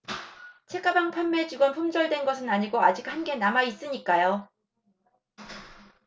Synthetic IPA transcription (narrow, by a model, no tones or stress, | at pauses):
t͡ɕʰe̞k͈abaŋpʰamːed͡ʑiɡwʌnpʰumd͡ʑʌɭdwe̞nɡʌsʰɯnaɲiɡoad͡ʑik̚hanɡe̞namais͈ɯɲik͈ajo